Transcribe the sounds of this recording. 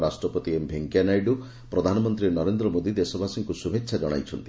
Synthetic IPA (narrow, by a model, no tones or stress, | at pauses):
ɾasʈɾɔpɔt̪iembʱeŋkjanajɖu | pɾɔd̪ʱanɔmɔnt̪ɾinɔɾend̪ɾɔmod̪id̪esɔbʱasiŋkusubʱetːʃʰad͡ʒɔɽ̃a̰jt͡ʃʰɔnt̪i